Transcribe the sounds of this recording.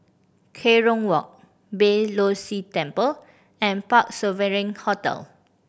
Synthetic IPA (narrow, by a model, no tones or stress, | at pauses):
kʰeɹɔ̃ŋwɔk̚ | belositɛ̃mpəl | ɛ̃npak̚səveɹĩŋhɔtɛ̰l